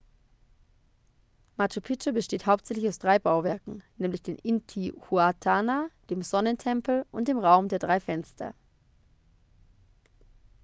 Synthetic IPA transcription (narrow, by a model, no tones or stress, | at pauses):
mat͡ʃopʰɪt͡ʃobəʃteːthaʊp̚tz̥ɛçlɪçaʊsd̥ʁaɪbaʊvɛɐkŋ̩nɛːmlɪçd̥eːnʔɪntʰihuatʰaːnad̥eːmzɔnəntʰɛmpl̩ʔʊnt̚d̥eːmʁaʊmdeːɐdʁaɪfɛnstʰɐ̰